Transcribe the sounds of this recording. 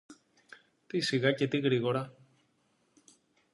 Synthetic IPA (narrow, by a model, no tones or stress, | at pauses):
t̪isiɣacet̪iɣɾiɣo̞ɾa